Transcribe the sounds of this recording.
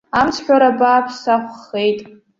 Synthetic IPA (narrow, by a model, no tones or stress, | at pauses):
amt͡sʰħʷᶣaɾabaːpʰsaχʷχe̞jtʼ